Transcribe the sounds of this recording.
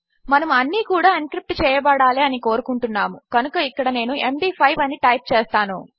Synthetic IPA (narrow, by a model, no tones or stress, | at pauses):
mɐnɐmɐnːiːkuːɽaːiŋkɾip̚ʈt͡ʃɛːjɐbɐɽaːliɐniko̞ːɾukuɳʈunːaːmukɐnukɐikːɐɽɐne̞ːnuemɖiːpʰɐjʋɐniʈɐjp̚t͡ʃɛːst̪aːnṵ